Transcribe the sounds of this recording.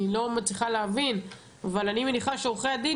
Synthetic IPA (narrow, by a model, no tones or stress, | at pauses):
ilo̞mat͡sliχaleavin | avalanime̞niχaʃeuχead̪i